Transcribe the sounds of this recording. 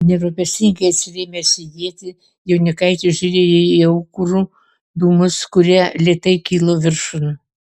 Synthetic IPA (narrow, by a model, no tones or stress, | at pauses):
nʲɛɾopʲɛsʲɪŋɡɐɪɐt̪ʲsʲɪrʲeːmʲesʲid̪ʲiɛt̪ʲɪ | jɛʊnʲɪkɐɪt̪ʲɪʒʲʊɾʲeːɪiɐʊkru | d̪uːmʊskʊɾʲiɛlʲeːt̪ɐɪkʲiːlˠoːʋʲɪrʃʊnʊ